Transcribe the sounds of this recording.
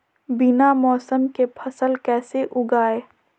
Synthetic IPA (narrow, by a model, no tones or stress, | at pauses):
bɪnamɔːsəmkepʰɐsəlkɛːseʔʊɡaːeː